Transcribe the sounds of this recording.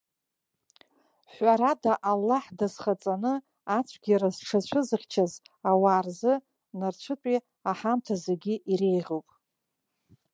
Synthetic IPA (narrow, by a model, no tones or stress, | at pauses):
ħʷaɾadaʔalːaħdazχat͡sʼanɨ | at͡sʷʰɡʲiɾazʈ͡ʂʰat͡ʃʷʰɨzɨχʲt͡ʃʰazawaːrzɨ | nart͡ɕʷʰɨtʷʼi | aħamtʰazeɡʲiʔiɾe̞jʁʲowpʼ